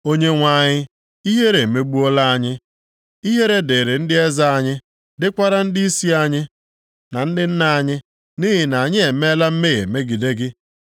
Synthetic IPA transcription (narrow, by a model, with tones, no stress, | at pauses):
o˦ɲe˦ŋʷa˨ɲɪ˦ | i˦ɦe˦ɾe˨me˦ɡ͡bu˦ɔ˦la˦a˦ɲɪ˦ | i˦ɦe˦ɾe˦de˨ɾe˨n̩˦dɪ˦e˦za˦a˨ɲɪ˦ | dɪ˦kʷa˦ɾa˦n̩˦di˦i˦si˦a˦ɲɪ˦ | na˨n̩˦dɪ˦n̩˦na˨ɲɪ˦ | ni˦ɦɪ˨na˨a˨ɲɪ˦e˨me˦la˦m̩˦me˦˨jḛ˨me˦ɡi˨de˦ɡɪ˦